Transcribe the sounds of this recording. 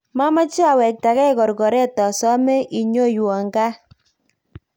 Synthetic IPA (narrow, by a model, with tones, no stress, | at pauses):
ma˦ma˦t͡ʃi˦a˨wɛ˨k̚ta˨kɛ˦kɔ˨ɾɡɔ˨ɾɛ˦tɔ˨sɔ˦mɛ˦ʔi˨ɲo˦jwɔ˨ŋɡa˦